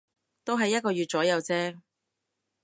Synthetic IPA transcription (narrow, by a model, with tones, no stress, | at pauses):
t̪o˥wɦɐ˨jːɐ˥t̚kɔː˧ɥyː˨t̚t͡sɔː˨˥jɐ˨˧wt͡sɛː˥